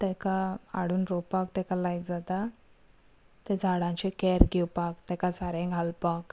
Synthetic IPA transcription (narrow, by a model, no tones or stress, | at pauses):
t̪ɛ̃kaa̰ɽuːnɾɔpakt̪ɛ̃kalajkd͡zat̪a | t̪ed͡zʱaɽãt͡ɕekɛɾɡiwpakt̪ɛ̃kasaɾẽŋɡʱalpak